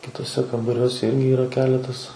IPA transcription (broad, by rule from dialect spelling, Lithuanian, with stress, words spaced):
kʲɪtuɔˈsʲɛ kɐmbɐˈrʲuɔsʲɛ ˈɪrʲɡʲɪ ˈiːrɐ ˈkʲæːlʲɛtɐs